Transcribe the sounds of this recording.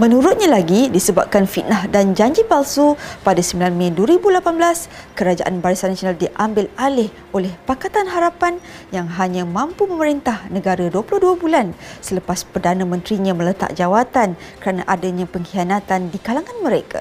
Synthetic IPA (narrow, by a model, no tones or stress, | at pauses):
mə̃nũɾʊt̪̚ɲãlaɡidisəba̰p̚kanfit̪̚naɦdand͡ʒaɲd͡ʒipalsupadasəmbilanmãduəɾibulapanbəlaskəɾad͡ʒa̰ʔanbaɾisanasionaldiʔambɪlalɪh | olɛhpakat̪anɦaɾapanjaŋɦaɲãmãmpumə̃məɾint̪ahnə̃ɡaɾaduəpulʊhduabulansələpaspərdanãmə̃nt̪ɾiɲãmə̃lət̪a̰k̚d͡ʒawat̪ankəɾanaʔadaɲãpəŋhianat̪andikalaŋãnməɾeka̰